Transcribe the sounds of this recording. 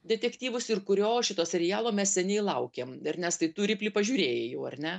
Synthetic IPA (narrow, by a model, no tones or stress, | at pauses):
d̪ʲɛt̪ʲɛkt̪ʲiːʋʊsɪrkʊɾʲoːʃʲɪt̪oːsʲɛɾʲɪjæːlˠoːmʲɛssʲɛnʲɛɪlˠɐʊkʲeːmɪɾnʲɛst̪ɐɪt̪uːɾʲɪpʲlʲiːpɐʒʲuːɾʲeːjeːjoːɐrʲnʲɛ